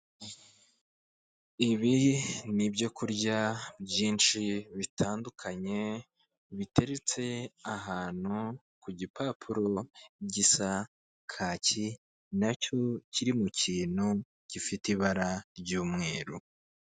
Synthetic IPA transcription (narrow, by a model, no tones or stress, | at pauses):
iβinibɟo̞kuɾɟabjiːnʃiβitʰaːndukʰaɲe̞ | βitʰe̞ɾet͡se̞aɦaːn̥hu | kuɟipʰapʰuɾo̞ɟisa | kʰaːci | naco̞ciɾimuciːn̥hu | cifitiβaɾaɾɟuːmŋe̞ːɾṵ